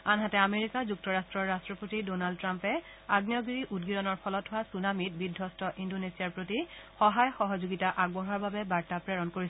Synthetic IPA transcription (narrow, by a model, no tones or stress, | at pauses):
anɦatɛameɹikazuk̚tɔɹastɹɔɹːastɹɔpotidonaldtɹampɛ | aɡnijɔɡiɹiʔudɡiɹɔnɔɹpʰɔlɔtɦʊwasunamit̚bidʱːɔstʰɔʔindonesiaɹpɹotixɔɦajxɔɦɔzoɡitaʔaɡ̚bɔɦɔɹbabɛbaɹtapɹɛɹɔnkoɹis